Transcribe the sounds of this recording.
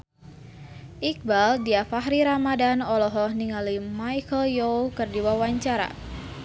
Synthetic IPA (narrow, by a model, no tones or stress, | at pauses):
ʔik̚baldiafaɦɾiɾamadanɔlɔɦɔhniŋalimajkəljokərdiwawaɲt͡ʃaɾa̰